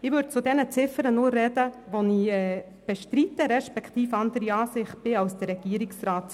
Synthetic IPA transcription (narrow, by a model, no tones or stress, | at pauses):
ɪʋɵɾd̚t͡sudɛnət͡sɪfəɾənʊːrːɛd̥əʋoniɛː | b̥ɛʃtɾitəɾɛʃpɛkχt̪iːfɑndəɾiɑːsɪχt̚b̥ɪɑlsd̥əɾɛɡ̥iːəɾɪksraːt